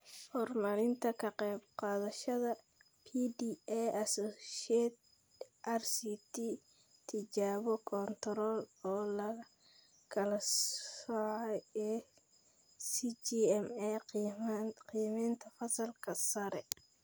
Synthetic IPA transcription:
hɔrmɐlɪnt̪ʰɐkʰɐqɛjbqɑːðɐʃɐðɐ | pʰiːd̪iɛjɐsɔːʃɛd̪ | ʔɐrsiːt̪ʰiː | t̪ʰːɪt͡ʃaːβɔkʰɔnt̪ʰɔɾɔːlɔːlɐ | kʰɐlɐsɔʕɛɛ | sit͡ʃiɛmɛ | qijmɛːnt̪ʰɐfɐsɐlkʰɐsɐɾɛ

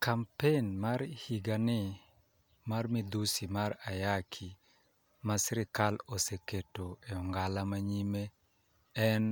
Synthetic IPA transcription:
kʰampenmaɾhiɡanɪ | marmɪd̪usimaɾajakʰi | masɾɪkaloseketoeɔŋɡalamaɲime | ɛn

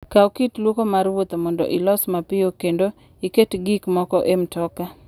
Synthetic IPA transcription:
kaokitlwokomaɾwot̪omɔndɔ̰ʔilɔsmapɪjokendo | iketɡikmɔkɔʔemtɔka

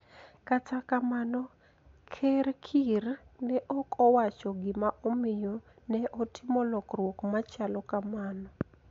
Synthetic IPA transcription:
katʰakamanɔ | kʰerkʰirnɛʔɔkʰɔwat͡ʃɔɡɪmaʔomɪjɔ | nɛʔɔtʰɪmɔlɔkrwokmat͡ʃalɔkamanɔ

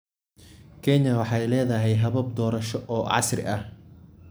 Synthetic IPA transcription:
kʰɛɲɐwɑħɑjlɛːðɐɦɛjɦɐβɐb̚d̪ɔːɾɐʃɔʔɔːʕɑ̰srɪ̰ʔɐh

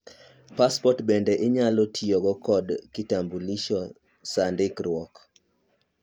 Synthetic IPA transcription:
paspɔtbɛndɛʔɪɲalɔtʰioɡɔkɔdkɪtambuliʃɔ | sandɪkɾwɔk

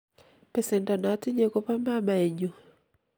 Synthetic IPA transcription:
pɛsɛntanatiɲɛkɔpambamaɛɲɔ

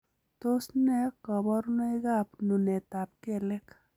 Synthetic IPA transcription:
t̪osnekʌbʌɾnujɡaːpnunet̪ap̚kelek

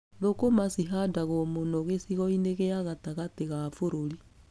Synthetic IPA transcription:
ðokomasiɦadaɣomonoɣesiɣɔineɣeaɣataɣateɣafoɾoɾi

